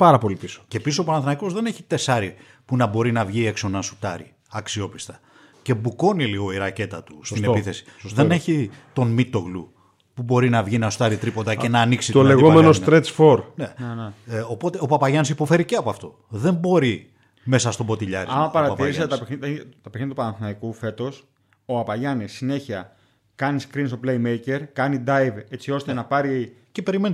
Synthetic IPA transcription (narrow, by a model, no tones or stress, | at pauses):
pɐɾɐpo̞lipiso̥ce̞pissopɐnɐnθnɐiko̞zðe̞ne̞çi̥t̪e̞sɐɾi | punɐbo̞ɾinɐvʝie̞kso̞nɐsu̥t̪ɐɾḭ | ɐksio̞pi̥st̪ɐ̥ | ce̞buko̞niliɣo̞iɾɐce̞t̪ɐt̪ustsineppiθe̞si̥ðene̞çit̪o̞nmit̪o̞ɣlu | pubo̞ɾinɐvʝinɐsu̥t̪ɐɾit̪ɾipond̪ɐce̞nɐːniksit̪olleɣomenost̪ɾet͡sfo̞ɾne | opo̞t̪e̞opɐpɐʝɐnis̬ipo̞fe̞ɾiceɐpoɐft̪o̞ | ðe̞mbo̞ɾi | me̞sɐst̪obo̞t̪iʎɐ̰ɾiɐmɐpɐɾɐtɐiɾisset̪et̪ɐpixnit̪t̪ɐpexnitɐt̪upɐnɐnθinɐikufe̞t̪o̞s | oɐpɐʝɐnisːine̞çiɐ | kɐniskɾinsoplejmejce̞ɾkɐnid̪ɐjve̞t͡sio̞st̪e̞nɐpɐɾice̞pe̞ɾimeni